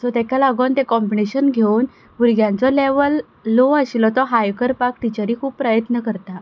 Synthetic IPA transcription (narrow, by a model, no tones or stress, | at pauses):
sɔt̪jakʰjalaɡɔnt̪ekɔmbineɕənɡʱeun | uɾɡjãnt͡sɔleʋəlː | oəɕilɔt̪ɔɦajkəɾpak̚ʈ̪it͡ɕaɾiːkʰuːb̚pɾajət̪nəkəɾt̪a